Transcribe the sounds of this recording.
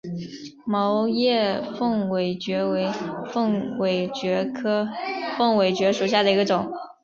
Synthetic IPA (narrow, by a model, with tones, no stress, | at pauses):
mɑ˧˥ʊjɛ˥˧fɤ˥˩ŋwe˨˩ɪt͡ɕɥɛ˧˥we˧˥ɪfŋwe˨˩ɪt͡ɕɥɛ˧˥kʰɤ˥fɤ˥˩ŋwe˨˩ɪt͡ɕɥɛ˧˥ʂu˨˩ɕ̬ja˥˩d̪ə˩i˧˥ɡə˧ʈ͡ʂʊ˨˩˦ŋ